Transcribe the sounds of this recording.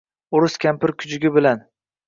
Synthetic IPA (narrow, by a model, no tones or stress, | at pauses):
ʊɾʊskʲampɪɾkʲʰʊ̥d͡ʒɪɡʲɪbɪlan